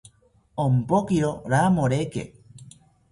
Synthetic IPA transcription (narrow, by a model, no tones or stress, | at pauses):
ompokiɾoɾamoɾekḛ